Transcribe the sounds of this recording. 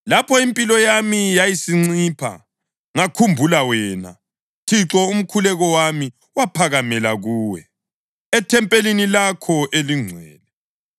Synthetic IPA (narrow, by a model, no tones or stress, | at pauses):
lapʰɔimpʼilɔjamijajisiŋ͡ǀiːpʰa̰ | ŋakʰumbʱulawɛːna̰ | tʰiǁɔum̩kʰulɛɣɔwami | wapʰaɣamɛlaɣuːwɛ̰ | ɛtʰɛmpʼelinilakʰɔʔeliŋ͡ǀʱwɛːnɛ